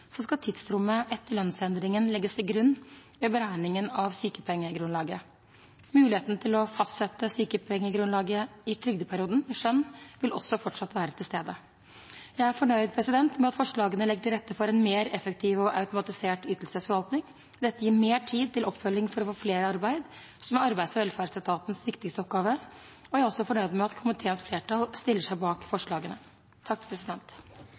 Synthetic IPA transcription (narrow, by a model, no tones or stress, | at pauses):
sɔskɑt̪ʰɪd̪st̪ɾʊmːəʔɛt̪ːəɭœnsɛnd̪ɾɪŋənlɛɡːəsɪlɡɾʉnː | øbəɾæːɪnɪŋənɑʋsyːkəpʰɛŋːəɡɾʉnlɑːɡə | mʉːlɪheːt̪nət̪ʰɪlɔfɑst̪sɛt̪ːəsyːkəpʰɛŋːəɡɾʉnlɑːɡəɪt̪ʰɾʏɡd̪əpʰæɾɪuːd̪ən̩mɛʂœnːʋɪlɔsːɔfɔʈʂɑt̪ːʋæːɾət̪ʰɪlst̪eːd̪ə | jæɪæɾfɔɳœʏd̪̚pʰɾɛsɪd̪ɛnt̪mɛɑt̪fɔʂɭɑːɡənəlɛɡːəʈʰɪlɾɛt̪ːəfɔɾɛnmeːɾɛfəkt̪ʰiːʋɔʔɑʉt̪ʊmɑt̪ɪseːʈyːt̪əl̩səsfɔɾʋɑlt̪nɪŋ | d̪ɛt̪ːəjiːɾmeːʈʰiːd̪̚t̪ɪlɔpːfœlːɪŋfɔɾɔfoːfleːɾəɑɾbæɪd̪ | sɔmɛɑɾbæɪsɔʋɛlfæːɾsət̪ʰɑːt̪n̩sʋɪkt̪ɪkst̪əɔp̚ɡɑːʋəɔjæɪɔsɔfɔɳœʏd̪mɛɑt̪kʰʊmɪt̪ʰeːənsfleːʈɑlst̪ɪlːəʂæɪbɑːkfɔʂɭɑːɡənə | t̪ʰɑkːpʰɾɛsɪd̪ɛnt̪